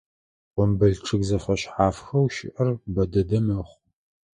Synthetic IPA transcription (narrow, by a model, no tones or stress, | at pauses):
qʷɔmbɐɮʈ͡ʂʰɨɡzɐfɐɕħaːfxɐwʃɪ̰ʔɐrbɐdɐdɐmɐχʷ